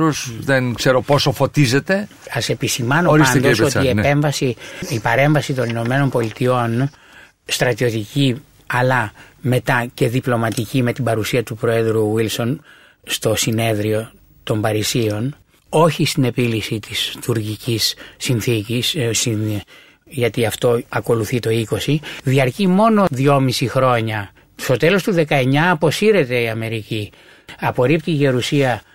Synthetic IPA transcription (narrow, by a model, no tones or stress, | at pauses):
osðenkse̞ɾoposofo̞t̪ize̞t̪e̞ | ɐse̞pisimɐnoisɐnd̪osoiepe̞ɱvɐsiipɐɾe̞ɱvɐsit̪o̞nino̞me̞no̞mpo̞lit̪io̞n | st̪ɾɐt̪io̞t̪ici | ɐlɐme̞t̪ɐce̞ðiplo̞mɐt̪icime̞t̪ibɐɾusiɐt̪upɾo̞e̞ðɾuwilso̞n | st̪o̞sine̞ðɾio̞ | t̪o̞mbɐɾisio̞n | o̞çist̪ine̞pilisit̪ist̪uɾʝicisːinθicissi | ʝɐt̪iɐft̪o̞ɐko̞luθit̪o̞iko̞siðiɐɾcimo̞no̞ðiʝo̞misixɾo̞ɲɐ | st̪o̞t̪e̞lo̞st̪uðe̞kɐe̞ɲɐːpo̞siɾe̞t̪e̞iɐme̞ɾici | ɐpo̞ɾipt̪ice̞ɾusiɐ